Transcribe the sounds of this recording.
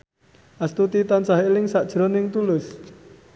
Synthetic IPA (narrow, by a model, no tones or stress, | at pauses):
ʔast̪ut̪it̪ansaɦelɪŋsaʔd̥ʒ̥ɾɔnɪŋt̪ulɪs